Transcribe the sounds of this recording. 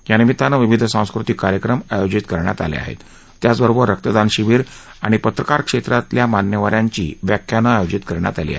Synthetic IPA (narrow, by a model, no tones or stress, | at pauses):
janimit̪anaʋiʋid̪ʱsãw̃skɾut̪ikːaɾjəkɾəmajod͡ʑit̪kəɾɳja̰t̪a̰lḛa̰ɦḛt̪ː | jat͡sbəɾobəɾːək̚t̪əd̪anɕiʋiːɾ | aɽ̃ipət̪ɾəkaɾkʂet̪ɾat̪ljamanjəʋaɾjaɲt͡ɕḭːʋjakʰjanaajod͡ʑit̪kəɾɳja̰t̪alḭa̰ɦe